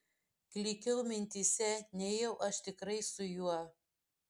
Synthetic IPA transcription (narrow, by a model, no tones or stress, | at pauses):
klʲiːkʲɛʊmʲɪnʲt̪ʲisʲɛnʲɛːjɛʊʔɐʃt̪ʲɪkɾɐɪsʊjuɔ